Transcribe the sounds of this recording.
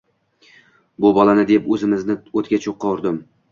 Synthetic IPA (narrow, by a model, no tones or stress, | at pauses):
bʊbɒlanɪd̪epɵzɪmɪznɪot̪̚kʲat͡ʃʰoqʰːɒɾd̪ɪm